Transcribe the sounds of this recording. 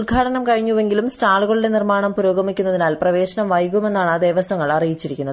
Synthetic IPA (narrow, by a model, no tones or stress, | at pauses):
ulɡʱaːʈɐnɐmkɐɻiɲːuʋe̞ŋɡilumsʈaːɭuɣɐɭuɽe̞nirmaːɳɐmpuɾoːɡɐmikʲːunːɐðinaːlprɐʋe̞ːɕɐnɐmʋɐjɣume̞nːaːɳɐd̪e̞ːʋɐsɐŋːɐɭɐrijit͡ɕːiɾikʲːunɐð